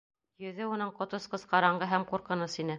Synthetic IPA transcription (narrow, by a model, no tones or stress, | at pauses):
jɵ̆ðɘunɤɴqŏt̪ŏsqɤ̆zqɑɾɑɴɢɤɦæmquɾqɤ̆nɤsinɘ